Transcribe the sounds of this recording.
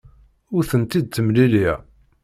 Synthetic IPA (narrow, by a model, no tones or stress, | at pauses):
ʊɾθənt̪id̪̚t͡sːəmlili